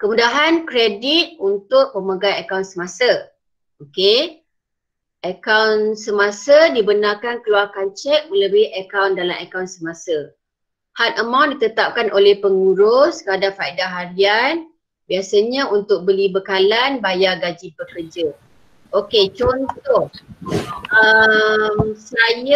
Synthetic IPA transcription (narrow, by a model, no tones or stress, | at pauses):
kəmudaɦankɾedit̪̚unt̪ʊk̚məmaɡaəkawnsəmasə | oke | ʔəkawnsəmasədibənarkankəluarkant͡ʃɛk̚mə̃ləbɪhəkawndalamʔəkawnsəmasə | hat̪əmãwndit̪ət̪ap̚kanʔolɛhpəŋuɾʊskəadafaidaɦaɾian | biasəɲaunt̪ʊk̚bəlibəkalanbajaɡad͡ʒibəkərd͡ʒə | ʔoket͡ʃɔnt̪ʊ | əmsajə